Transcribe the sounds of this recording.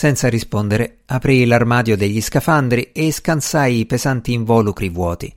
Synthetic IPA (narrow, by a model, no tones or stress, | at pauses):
sɛnt̪saɾispond̪eɾe | apɾilarmaːd̪jod̪eʎːiskafand̪ɾieskansajːpezant̪iːɱvɔːlukɾivwɔːt̪ḭ